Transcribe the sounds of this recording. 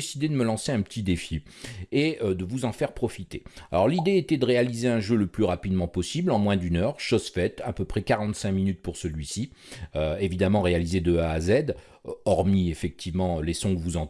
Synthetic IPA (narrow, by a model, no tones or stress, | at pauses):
esid̪ed̪əməlɑ̃seɛ̃pət̪ʰid̪efi | eød̪əvuzɑ̃fɛʁpχɔfit̪ealɔʁlid̪eet̪ɛd̪əʁealizeɛ̃ʒøləplyʁapid̪mɑ̃pɔsiblɑ̃mwɛ̃d̪ynœʁʃozfɛt̪a̰pøpχɛkaʁɑ̃t̪sɛ̃minyt̪̚puʁsəlɥisi | øevid̪amɑ̃ʁealized̪øaːzɛd̪ | ɔʁmiefɛk̚t̪ʰivmɑ̃lɛsɔ̃ɡvuzɑ̃